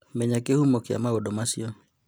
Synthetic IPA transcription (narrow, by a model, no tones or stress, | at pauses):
mɛɲakehumokɪa̰maodomasjo